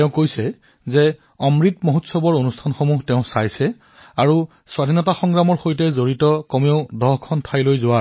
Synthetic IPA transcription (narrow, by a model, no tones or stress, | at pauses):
tɛʊ̃kojsɛ | zɛ | ɔmɹitmoɦutsɔbɔɹonustʰanxomuɦtɛʊ̃sajsɛ | aɹu | swadʱinɔtaxɔŋɡɹamɔɹxojtɛzoɹitɔkɔmeʊdɔɦkʰɔntʰajlojzʊwa